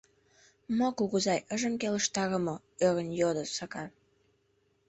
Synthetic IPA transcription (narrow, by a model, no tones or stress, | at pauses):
mokuɣəzɑjʔəʒəmkeləʃt̪ɑɣə̆mo | øɣə̆njod̪əsɑkɑ